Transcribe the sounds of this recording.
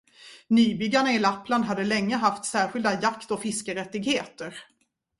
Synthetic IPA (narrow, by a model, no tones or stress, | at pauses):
nyːbʏɡːaɳaɪlapːland̪ɦad̪ːəlɛŋːəɦaft̪sæːɾɧɪld̪ajakt̪ɔfɪskəɾɛt̪ːɪɡheːt̪əɾ